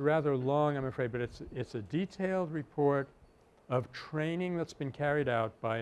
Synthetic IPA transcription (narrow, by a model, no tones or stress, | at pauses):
ɹæðə˞lɔ̃ŋãɪ̃məfɹeɪd̚bʌɾɨtsɪtsɨditʰeɪlˠd̚ɹɨpʰɔɹɾ | ʌv̥tʰɹ̥ẽɪ̃nɪ̃ŋðɨtsb̥ɨ̃nkʰɛɹiɾaʊt̚b̥aɪ